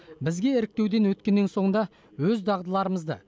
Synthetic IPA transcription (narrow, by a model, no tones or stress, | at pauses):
bɪzɡʲe̞ɪɾɪk̚t̪e̞wd̪e̞nwɵt̪kʲe̞nːenso̞ɴənd̪ɑ | wɵzd̪ɑʁd̪əlˠɑɾəməzd̪ə̰